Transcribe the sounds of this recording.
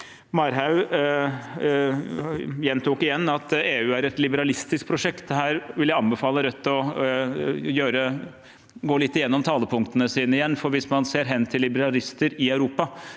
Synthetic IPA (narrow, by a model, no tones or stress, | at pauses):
mɑɾɦɑʉ | jɛnt̪ʰuːkɪjɛnːɑt̪eːʉːæɾɛt̪lɪbəɾɑlɪst̪ɪsk̚pʰɾʊʂɛkt̪dɛhæːɾʋɪljæɪɑnbəfɑːləɾœt̪ːɔ | jøːɾə | ɡoːlɪt̪ːɪjɛnːɔmt̪ʰɑːləpʰʊŋkt̪ənəsiːnəɪjɛnːfɔɾʋɪsmɑnseːɾɦɛnːt̪ʰɪlːɪbəɾɑlɪst̪əɾɪɑʉɾuːpɑ